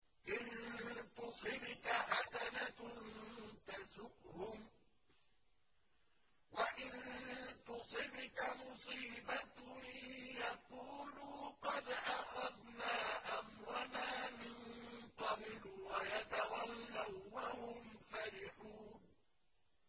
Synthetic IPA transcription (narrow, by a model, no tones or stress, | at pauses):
ʔɪnt̪ʊsˤɪbkaħasanant̪azʊʔhʊm | waʔɪnt̪ʊsˤɪbʊkamʊsˤiːbat̪ | jaquːluːqɑd̪ʔaxaðnaːʔamɾˤɑnaːmɪnt̪ɑbɪlwajat̪awalːawːahʊmfaɾɪħuːn